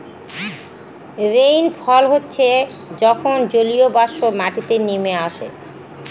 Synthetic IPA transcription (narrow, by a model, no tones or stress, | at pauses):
ɾejnfʰɔlɦotːɕʰe | d͡ʑɔkʰond͡ʑoliobaʃomaʈit̪enimeaʃḛ